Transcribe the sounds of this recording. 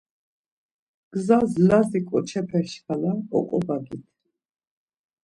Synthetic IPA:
ɡ̥zazlazikʼɔt͡ʃʰɛpʰɛʃkʰalaɔ̰kʼɔbaɡit̪ʰ

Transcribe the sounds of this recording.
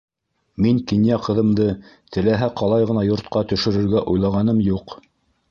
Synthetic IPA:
miŋkinjæqɤ̆ðɤ̆md̪ɤt̪ʰɘ̆læɦæqɑlˠɑjʁɤ̆nɑjŏɾt̪̚qɑt̪ɵ̆ʃɵ̆ɾɘ̆ɾɡæʔujlˠɑʁɑnɤmjuq

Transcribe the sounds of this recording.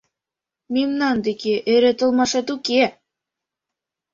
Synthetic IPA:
mimnɑnd̪ekeʔɘ̆ɾɘ̆t̪ɤ̆lˠmɑʃɑt̪uke

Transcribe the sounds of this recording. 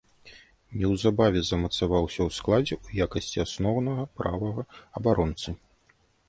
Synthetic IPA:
nʲɛwzabavʲɛzɐmɐt̪savawsʲɐwsklˠad͡zʲɛujakɐsʲt͡sʲiasnɔwnɐɣɐpɾavɐɣɐɐbaɾɔnt̪sɨ

